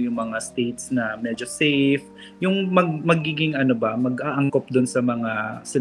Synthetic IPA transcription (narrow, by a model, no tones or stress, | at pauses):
jʊŋmɐŋast̪ejt̪snɐmɛːd͡ʒosɛjf | jʊŋmɐɡ̚mɐɡiːɡɪŋɐnobɐmɐɡʔaːʔɐŋkop̚d̪ʊnsɐmɐŋasɪ